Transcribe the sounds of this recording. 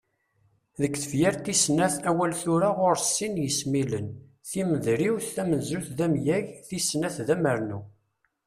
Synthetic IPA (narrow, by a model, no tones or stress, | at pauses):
ðəkːθəvjæɾt̪isnæθæwælθʊɾaʁʊɾsːinjəsmilən | θiməðɾiwθθæmənzuθðæmjæʝθisnæθðæməɾnu